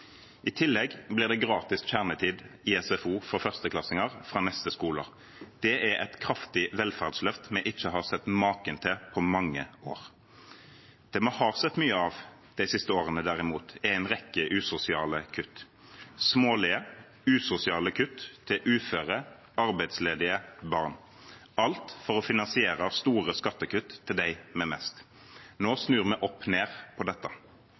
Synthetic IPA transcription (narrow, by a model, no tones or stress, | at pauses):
ɪt̪ʰɪlːɛɡblɪːʁd̪ɛːɡʁɑːt̪ɪskçæʁnət̪ʰiːd̪ɪɛsɛfuːfɾɔfœʁst̪əkʰlɑsɪŋəʁfʁɑːnɛst̪əskuːlə̰ʁ | d̪̥ɛæɛt̪kʰʁɑft̪ɪʋɛlfæʁd̪slœft̪mɛʔɪt͡ʃːəhɑːʁsɛt̪ːmɑːkənt̪ʰɛpʰɔmɑŋːəo̰ːʁ | d̪̥ɛmohɑːʁsɛt̪ːmyːəɑʋ | d̪̥æɪsɪst̪əoːʁənəd̪æʁɪmuːt̪ɛæɪnʁɛkːəʔʉːsʊsɪɑːləkʰʉt̪ː | smoːlɪə | ʉːsʊsɪɑːləkʰʉt̪ʰːɪʔʉːføːʁə | ɑʁbæɪt̪sleːd̪ɪəbɑʁn | ɑlt̪fɔʁɔfɪnɑnsɪeːʁəst̪uːʁəskɑt̪ːəkʉt̪ʰːɪld̪æɪmɛmɛst̪ | noːsnʉːʁmɛʔɔpːneːʁpʰɔd̪ɛt̪ːə